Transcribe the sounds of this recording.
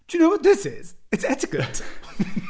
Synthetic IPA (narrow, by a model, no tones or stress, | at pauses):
jɨnoʊwʌt̪̚ðɪsɪz̥ɨtsɛtɨkɨt